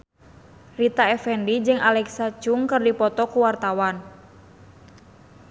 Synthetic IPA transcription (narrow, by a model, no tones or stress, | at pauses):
rit̪aɛfɛndid͡ʒɨŋʔalɛksat͡ʃuŋkɨrdipɔt̪ɔkuwart̪awan